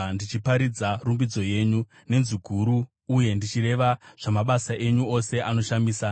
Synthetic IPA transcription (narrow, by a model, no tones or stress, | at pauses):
ndit͡ʃipaɾid͡zarumbid͡zo̞je̞ːɲu | ne̞nziɡʱuɾuː | je̞ndit͡ʃiɾe̞ʋaʐ̥amaɓasaʔe̞ɲuo̞se̞ʔano̞ʃamiːsa